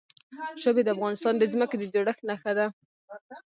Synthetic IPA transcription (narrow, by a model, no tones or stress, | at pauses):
ʃəbed̪əafɣɑnɪst̪ɑnd̪əzməked̪əd͡ʒaɽəxnaxad̪a